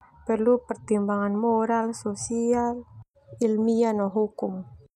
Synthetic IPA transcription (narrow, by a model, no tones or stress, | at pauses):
pərlupərt̪imbaŋanmoɾalsosial | ilmianɔɦukʊŋ